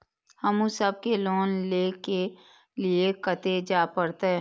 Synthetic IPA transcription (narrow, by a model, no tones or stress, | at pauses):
hɐmũsəb̚keloːnleːke | liekət̪ed͡ʒaːpəɾt̪aɦɛː